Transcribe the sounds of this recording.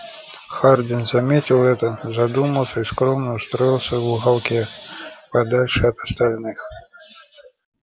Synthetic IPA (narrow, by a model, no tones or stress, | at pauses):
xard̪ʲinzamʲetʲiwˠɛt̪əzad̪umɐlˠsʲɐiskɾɔmnəust̪ɾɔjilˠsʲəuɣalˠkʲɛpad̪alʲʂɨɐt̪ɐst̪alʲnɨx